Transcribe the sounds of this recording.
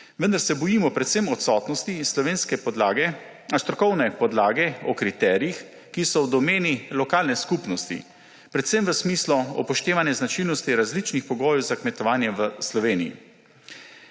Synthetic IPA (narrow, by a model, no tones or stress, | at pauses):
ʋənd̪aɾsɛbɔjimɔpɾɛt̪semɔt̪sɔt̪nɔst̪islɔʋeːnskɛaɡɛ | ast̪ɾɔkɔwnɛpɔd̪laːɡɛɔkɾit̪ɛɾijix | kisɔwd̪ɔmeːnilɔkaːlnɛskupnɔst̪ḭ | pɾɛt̪səmʋəsmiːslɔɔ̰pɔʃt̪eːʋanjɛznat͡ʃilnɔst̪iɾazlit͡ʃnixpɔɡoːjɛwzakmɛt̪ɔʋaːnjɛʋəslɔʋeːnḭḭ